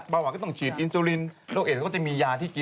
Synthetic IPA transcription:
baː˧waː˨˩k̪ːt͡ɕʰiː˨˩t̪ʔi˧nsuː˧li˧nɾoː˥˩kʔeː˨˩kɔː˥˩t͡ɕa˨˩miː˧jaː˧t̪ʰiː˥˩ki˧˦

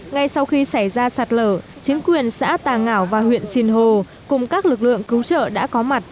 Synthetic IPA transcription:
ŋa˧jsa˧wxi˧sa˧˩jzaː˧saː˨˩t̚ləː˧˩ | t͡ɕï˨˦ŋ̟kwi˨˩ənsa̰ː˧˥t̪aː˨˩ŋaː˧˩wvaː˨˩hwḭ˧˨ənsi˧nɦo˧ | kʊ˨˩ŋ͡mkaː˦˥k̚lɨ˨˩k̚lɨ̰˧˨əŋkɨ˨˦wt͡ɕə̰ː˧˨ɗa̰ː˧˥kɔ˨˦ma˨˩t̚

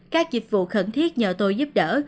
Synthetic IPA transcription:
kaː˦˥k̚zi˨˩t̚vṵ˧˨xə˧˩nt̪ʰi˦˥ət̚ɲəː˨˩t̪o˧jzu˦˥p̚ɗəː˧˩

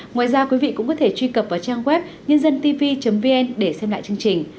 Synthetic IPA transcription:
ŋwaː˨˩jzaː˧kwi˨˦vḭ˧˨kʊ̰˧˥ŋ͡mkɔ˨˦t̪ʰe˧˩t͡ɕwi˧kə˨˩p̚vaː˨˩t͡ɕaː˧ŋɣwɛ˦˥p̚ | ɲə˧nzə˧nt̪i˧vi˧t͡ɕə˨˦mvi˧ʔɛ˧nɗe˧˩sɛ˧mla̰ː˧˨jt͡ɕɨ˧ə˧ŋt͡ɕï˨˩ŋ̟

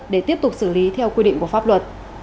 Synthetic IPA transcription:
ɗe˧˩t̪i˦˥əp̚t̪ʊ˨˩k͡p̚sɨ˧˩li˨˦t̪ʰɛ˧wkwi˧ɗḭ˧˨ŋku˧˩əfaː˦˥p̚lwə˨˩t̚

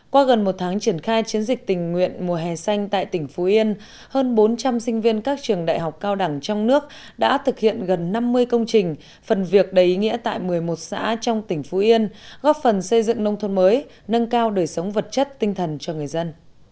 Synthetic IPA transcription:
kwaː˧ɣə˨˩nmo˨˩t̚t̪ʰaː˨˦ŋt͡ɕi˧˩ənxaː˧jt͡ɕi˨˦ənzï˨˩k̟̚t̪ï˨˩ŋ̟ŋwḭ˧˨ənmu˨˩əɦɛ˨˩sa˧jŋ̟t̪a̰ː˧˨jt̪ï˧˩ŋ̟fu˨˦ʔi˧ən | həː˧nɓo˨˦nt͡ɕa˧msï˧ŋ̟vi˧ənkaː˦˥k̚t͡ɕɨ˨˩əŋɗa̰ː˧˨jɦa˨˩wk͡p̚kaː˧wɗa˧˩ŋt͡ɕɔ˧wŋ͡mnɨ˦˥ək̚ | ɗa̰ː˧˥t̪ʰɨ˨˩k̚hḭ˧˨ənɣə˨˩nːa˧mːɨ˧əjkə˧wŋ͡mt͡ɕï˨˩ŋ̟ | fə˨˩nvi˨˩ək̚ɗə˨˩jʔi˨˦ŋḭ˧˥ət̪a̰ː˧˨jmɨ˨˩əjmo˨˩t̚sa̰ː˧˥t͡ɕɔ˧wŋ͡mt̪ï˧˩ŋ̟fu˨˦ʔi˧ənɣɔ˦˥p̚fə˨˩nsə˧jzɨ̰˧˨ŋnə˧wŋ͡mt̪ʰə˧nməː˨˦j | nə˧nkaː˧wɗəː˨˩jsə˨˦wŋ͡mvə˨˩t̚t͡ɕə˦˥t̚t̪ï˧ŋ̟t̪ʰə˨˩nt͡ɕɔ˧ŋɨ˨˩əjzə˧n

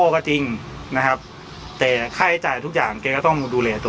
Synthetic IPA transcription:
ɔː˧kɔ˧˩t͡ɕi˧ŋna˦˥kʰa˦˥p̚ | t̪ɛː˨˩kʰa˥˩˦t͡ɕaː˨˩jt̪ʰu˦˥k̚jaː˨˩ŋkeː˧kɔː˥˩t̪ɔ˥˩ŋduː˧duː˧lɛː˧t̪u˧

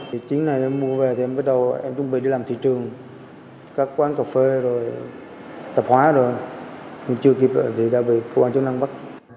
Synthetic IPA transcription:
i˨˩t͡ɕi˨˦əŋna˨˩jʔɛ˧mmu˧əve˨˩t̪ʰi˨˩ʔɛ˧mɓə˦˥t̚ɗə˨˩wʔɛ̰˧mt͡ɕʊ˧ŋ͡mɓi˨ɗi˧laː˨˩mt̪ʰḭ˧˨t͡ɕɨ˨˩əŋ | kaː˦˥k̚kwaː˨˦nkə˨˩fe˧zo˨˩j | t̪ə˨˩p̚hwaː˨˦zo˨˩jɲ˧˩t͡ɕɨ˧ək̬i˨˩p̚lə̰ː˧˨˩t̪ʰi˨˩ɗa̰ː˧˨˩ɓḭ˧˨kə˧kwa˧nt͡ɕʊ˦˥na˧ŋɓa˦˥k̚

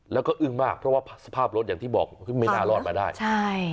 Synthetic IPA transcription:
lɛ˦˥wkɔː˥˩ʔɯ˥˩ŋmaː˥˩k̚pʰɾɔ˦˥waː˥˩pʰsa˧pʰaː˥˩p̚ɾo˦˥t̪̚a˨˩ŋt̪ʰiː˥˩bɔː˨˩k̚ɯ˥˩me˧˦˥naː˥˧˩lɔː˥˩t̪̚maː˧daː˥˩jt͡ɕʰa˥˩j

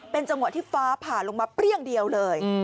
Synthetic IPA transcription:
pe˧nt͡ɕa˧ŋwt̪ʰːiː˥˩faː˦˥pʰaː˨˩nlo˧ŋmaː˧pɾi˥˩əŋdi˧əwlɤː˧j

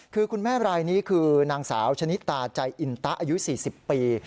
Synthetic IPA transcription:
kʰɯː˧kʰu˧nmɛː˥˩ɾaː˧jniː˦˥kʰɯː˧naː˧ŋsaː˩˦wt͡ɕʰa˧ni˦˥t̪ːaː˨˩t͡ɕa˧jʔi˧nt̪a˦˥ʔaː˧ju˦˥siː˨˩si˨˩ppːiː˧

